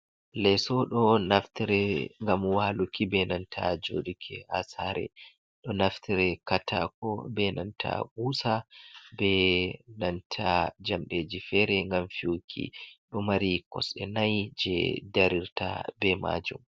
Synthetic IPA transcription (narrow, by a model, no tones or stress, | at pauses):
lɛsɔɗɔnaftiɾɛŋɡamwalukibɛnantʰad͡ʒo̰ːdikʰɛasaɾɛ̰ | ɗɔnaftʰiɾɛkatʰa̰kɔbɛnantʰa̰ɡuːsabɛnantʰad͡ʒamɗed͡ʒifɛɾɛŋɡamfiwukʰḭɗɔmaɾikɔsɛnajd͡ʒɛ̰daɾiɾta̰bɛma̰d͡ʒum